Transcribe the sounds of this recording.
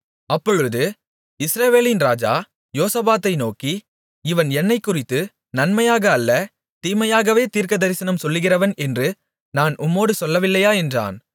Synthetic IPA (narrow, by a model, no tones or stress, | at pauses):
ɐpːɔɻɯðɯ | ɪsɾɐʋeːlɪnɾaːd͡ʒa̰ː | joːsɐbaːt̪ːɐɪnoːki | ɪʋɐnɛnːɐɪkːʊrɪt̪ːɯ | nɐnmɐjaːɣɐːlːɐ | t̪iːmɐjaːɣɐʋeːt̪iːɾkɐd̪ɐɾɪsɐnɐmsɔlːɯɣɪrɐʋɐnɛndrɯ | naːnʔʊmːoːɽɯsɔlːɐʋɪlːɐjaːɛndra̰ːn